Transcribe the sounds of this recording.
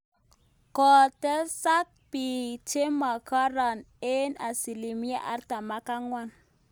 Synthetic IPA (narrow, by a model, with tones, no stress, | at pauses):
kɔ˨tə˦sa˦k̚pi˨t͡ʃe˦ma˨ka˦ɾa˨n | e˦na˨si˨li˨mi˦a̰˦ʔa̰˦ɾta˨ma˦ka˦ŋwa˦n